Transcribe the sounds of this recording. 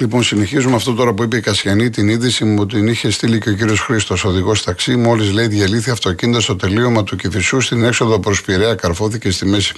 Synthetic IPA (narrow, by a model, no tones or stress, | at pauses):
lipo̞nsine̞çizumeɐft̪o̞t̪o̞ɾɐpuipeikɐsçɐnit̪iniðisimuot̪iniçe̞st̪iliceo̞ciɾio̞sxɾist̪o̞so̞ðiɣo̞st̪ɐksimo̞lizleiðʝɐliθiɐft̪o̞cinid̪ost̪o̞t̪e̞lio̞mɐt̪ucifisust̪ine̞kso̞ðopɾo̞spiɾeɐkɐɾfo̞θice̞st̪ime̞si̥